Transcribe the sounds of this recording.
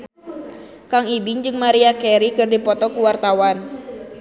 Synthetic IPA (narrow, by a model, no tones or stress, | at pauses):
kaŋibɪŋd͡ʒɨŋmaɾiakɛɾikɨrdipɔt̪ɔkuwart̪awan